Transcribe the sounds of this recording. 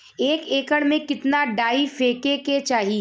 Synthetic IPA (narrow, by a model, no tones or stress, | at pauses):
eːkeːkəɽmẽkɪt̪naɖaːifeːkeket͡ʃaːɦi